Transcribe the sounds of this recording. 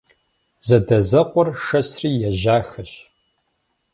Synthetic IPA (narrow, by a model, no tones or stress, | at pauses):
zɐdɐzɐqʷʼɔrʂɐsriːjɛʒaːxɐɕ